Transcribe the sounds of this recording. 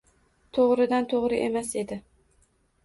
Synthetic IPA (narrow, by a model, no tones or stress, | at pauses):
t̪ʰoʁɾɪd̪ant̪ʰoʁɾɪʔe̞mase̞d̪ɪ